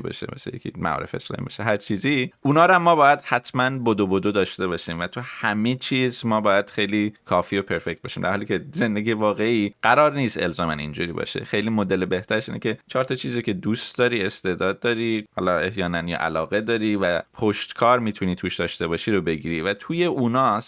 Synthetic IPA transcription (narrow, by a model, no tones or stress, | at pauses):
bɒ̰ːʃḛmḛsḛjekʰʲḭmæ̰ɒ̰ːɾe̞feeslɒ̰ːmḭbɒ̰ʃeɦæɾt͡ʃʰiːziʔunɒːɾæmːɒːbɒːjæd̪̥hæt̪ʰmænbod̪obod̪od̪ɒːʃt̪e̞βɒːʃiːmvæt̪ʰuhæmet͡ʃʰiːzmɒːbɒːjæd̪̥xe̞jliːkʰɒːfiːopʰe̞ɾfe̞c̚t̪̚bɒːʃiːmd̪æ̰ɾhɒliːcʰeze̞nd̪eɡijevɒːɣe̞iːɢæɾɒːɾniːst̪e̞̰lzɒːmænḭnd͡ʒuːɾiːbɒ̰ʃḛxe̞jliːmod̪elebe̞ht̪ʰæɾeʃiːnḛcʰe̞t͡ʃʰɒːɾt̪ʰɒt͡ʃʰiːzicʰe̞d̪uːst̪d̪ɒːɾiːe̞st̪e̞d̪ɒːd̪̚ːɒːɾihɒ̰ːlɒe̞hjɒːnænjɒ̰ʔæ̰lɒːɣe̞d̪ɒːɾiːvæpʰoʃt̪kʰɒːɾmiːt̪ʰuniːt̪ʰuːʃd̪ɒːʃt̪e̞βɒːʃiɾobe̞ɟiːɾiːvæt̪ʰuːje̞ʔuːnɒːs